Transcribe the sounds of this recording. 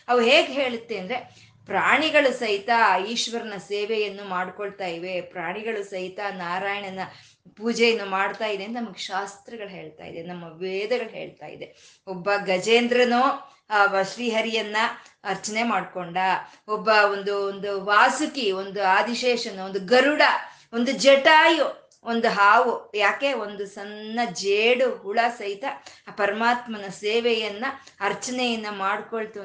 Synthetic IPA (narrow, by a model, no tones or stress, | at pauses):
ɐʋuɦeːɡɦe̞ːɭut̪ːeɐnd̪ɾe | pɾaːɳiɡɐɭusɐɦit̪aiːʃʋɐɾɐnɐseːʋɛjɐnːumaːɽkoɭt̪aːjiʋe̞pɾaːɳiɡɐɭusɐɦit̪anaːɾaːjɐɳɐnɐ | puːd͡ʒɛjɐnːumaːɽt̪aːjid̪ent̪ɐnɐmɐɡeʃaːst̪ɾɐɡɐɭɦe̞ːɭt̪a̰ːj̰d̪enɐmːɐʋeːd̪ɐɡɐɭɦḛːɭt̪a̰ːjḭd̪e | ɔbːɐɡɐd͡ʒeːnd̪ɾɐnu | ʋɐsliɦɐɾijɐnːɐɐɾt͡ʃɐnemaːɖkoɳɖɐ | ɔbːɐond̪uond̪uʋaːsukiond̪uaːd̪iʃeːʂɐnuond̪uɡɐɾuɽɐ | o̞nd̪ud͡ʒɛʈaːju | ond̪uɦaːʋujaːke̞ond̪usɐnːɐd͡ʒeːɽuɦuɭɐsɐɦit̪ɐpɐɾɐmaːt̪mɐnɐseːʋɛjɐnːɐ | ɐɾt͡ʃɐnejɐnːɐmaːɽkoɭt̪u